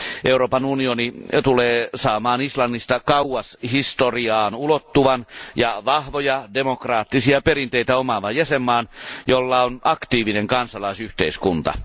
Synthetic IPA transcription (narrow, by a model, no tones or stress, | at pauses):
ʔeuroːpɑnunionit̪uleːsɑːmɑːnislɑnːist̪ɑkɑuwɑshist̪oriɑːnulot̪ːuʋɑnjɑʋɑhʋojɑdemokrɑːt̪ːisiɑperint̪eit̪æomɑʋɑjæsemːɑːnjolːɑonɑkt̪iːʋineŋkɑnsɑlɑisyht̪eiskunt̪ɑ̰